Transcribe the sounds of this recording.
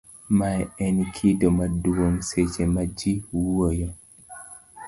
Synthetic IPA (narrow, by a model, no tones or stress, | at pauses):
maɛɛnkʰidɔmadwoŋsed͡ʒemad͡ʒiwojɔ